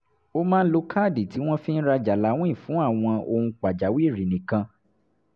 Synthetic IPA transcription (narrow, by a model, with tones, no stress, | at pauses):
o˦mãː˦n̩˦lo˧kʰaː˦˨di˨ti˨˦w̃ɔ̃˦fĩ˦n̩˦ɾa˧d͡ʒa˨la˨˦w̃ɔ̃˦ĩ˦˨fũ˨˦a˦˨w̃ɔ̃˧ʔo˧hũ˧k͡pa˨d͡ʒa˨˦wi˦˨ɾi˨nĩ˨kã˧